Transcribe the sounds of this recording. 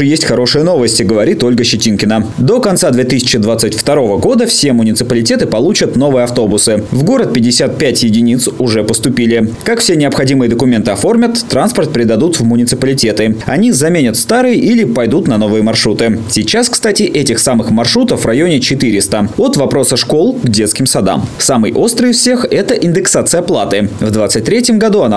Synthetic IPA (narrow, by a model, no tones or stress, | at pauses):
ɨjesʲtʲxɐɾo̞ʂɨjəno̞vəsʲtʲɪɡəvɐɾʲit̪o̞lʲɡəɕɪtʲinkʲɪnəd̪o̞kɐnt̪sad̪vʲet̪ɨsʲɪ̥t͡ɕɪd̪vat̪sɨtʲft̪ɐɾo̞vəɡo̞d̪əfsʲe̞mʊnʲɪt̪sɨpəlʲɪtʲe̞t̪ɨpɐlˠut͡ɕət̪no̞vɨjəɐft̪o̞bʊsɨvɡo̞ɾət̪̚pʲɪdʲːɪsʲat̪̚pʲætʲjɪdʲɪnʲit̪sʊʐɛpəst̪ʊpʲilʲɪkakfsʲe̞nʲɪɐpxɐdʲimɨjəd̪əkʊmʲe̞nt̪ɨɐfo̞rmʲət̪ːɾanspərt̪̚pʲɾʲɪd̪ɐd̪ut̪vmʊnʲɪt̪sɨpəlʲɪtʲe̞t̪ɨɐ̰nʲizɐmʲenʲət̪st̪aɾɨjʔilʲɪpɐjd̪ut̪nɐno̞vɨjəmɐrʂɾut̪ɨsʲit͡ɕaskst̪atʲɪʔɛtʲɪxsamɨxmɐrʂɾut̪əfvrɐjonʲɪt͡ɕɪt̪ɨɾʲɪst̪əo̞t̪vɐpɾo̞səʂko̞lˠɡdʲe̞t̪skʲɪmsɐd̪a̰msamɨjʔo̞st̪ɾɨjɪsfsʲe̞xɛt̪əʔɪnd̪ɨksat̪sɨjəplˠat̪ɨvd̪vat̪sɨt̚ʲt̪ɾʲetʲjɪmɡɐd̪uɐna